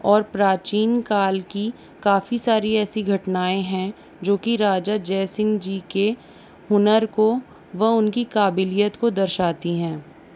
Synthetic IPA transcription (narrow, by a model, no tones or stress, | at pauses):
ɔːɾpɾaːt͡ʃiːnkaːlki | kaːfisaːɾiɛːsiɡʱɐʈnaːẽɦɛ̃ | d͡ʒoːkiɾaːd͡ʒad͡ʒɛːsɪ̃ŋɡd͡ʒike | ʊnəɾko | ʋɐɦʊnkikaːbɪlijət̪kod̪ɐɾʃaːt̪iɦɛ̃ː